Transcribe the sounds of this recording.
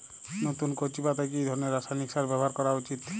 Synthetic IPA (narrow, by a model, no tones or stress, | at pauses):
not̪unkot͡ʃipat̪ajkiejd̪ʱɔɾɔneɾːasajniksaɾbɛbɔɦaɾkɔɾaut͡ʃit̪